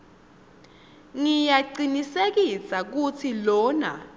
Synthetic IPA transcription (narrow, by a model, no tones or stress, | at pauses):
ŋijaǀinisek̬isak̬ut͡sʰilɔːna